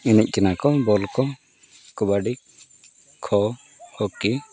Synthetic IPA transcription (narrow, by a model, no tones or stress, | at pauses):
inɛc̚ˀkɛnakɔbɔlkɔ | kubaɖi | kʰɔ | hɔki